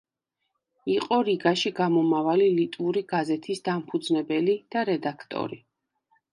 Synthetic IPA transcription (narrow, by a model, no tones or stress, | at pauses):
iqʼɔɾiɡaʃiɡamɔmavalilit̪ʼuɾiɡazɛt̪ʰisd̪ampʰud̪znɛbɛlid̪̥aɾɛd̪akʰt̪ʼɔ̰ɾi